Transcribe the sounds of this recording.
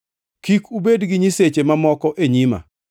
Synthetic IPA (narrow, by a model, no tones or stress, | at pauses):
kikubedɡɪɲiset͡ʃemamɔkɔʔeɲima̰